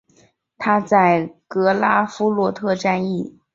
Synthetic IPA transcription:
t̪ʰa˥t͡sa˥˩ɪkɤ˧˥la˥fu˥lwɔ˥˧t̪ʰɤ˥˧ʈ͡ʂa˥˧ni˥˩

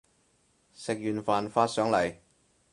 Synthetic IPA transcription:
sɪ˨k̚jyː˨˩nfaː˨nfaː˧t̚sœː˨˥ŋlɐ˨˩j

